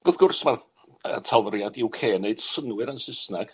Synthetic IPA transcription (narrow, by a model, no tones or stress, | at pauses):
ɡ̥ʊðɡʊrsmar | ə̰tʰalˠvəɾjadɪwkʰeːneɨd̥sənwɨɾansɪsnaɡ̥